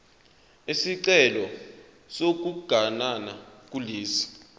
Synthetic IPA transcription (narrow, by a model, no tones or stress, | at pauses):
isiǀɛlɔ | sok̬uɡ̥ʱananak̬ʼuliːsi̥